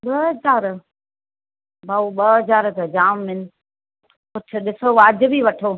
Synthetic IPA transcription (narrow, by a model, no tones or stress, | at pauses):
ɓɐɐzaːɾ | baːuɓɐzaːɾt̪ɐd͡ʑaːmmɪnɪ̆ | kʊt͡ɕʰʊ̆ɗɪsoʋaːd͡ʑʊ̆bʱiʋɐʈʰoː